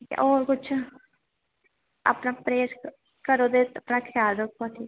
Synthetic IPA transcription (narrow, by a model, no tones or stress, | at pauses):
ʔoːɾkʊt͡ʃʰ | a̰ːpnaːpɾeːs | kəɾõːd̪et̪əpnaːkʰjaːlɾək̚ʰpaːʈ̪ʰiː